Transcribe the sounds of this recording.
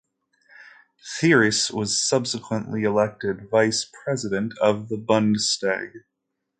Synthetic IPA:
θɪɹɨswʌz̥sʌb̥səkʰwə̃nʔliɨlɛk̚tɪdvaɪspʰɹ̥ɛzɨɾɨ̃ntʰʌvðəbʌ̃ndstæ̰ɡ̥

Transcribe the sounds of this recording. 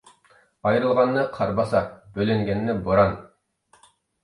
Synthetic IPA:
ɑjɾɯlˠʁɑnːɨqʰɑɾbɑsɑbølyŋɡʲɛnːɪboɾɑn

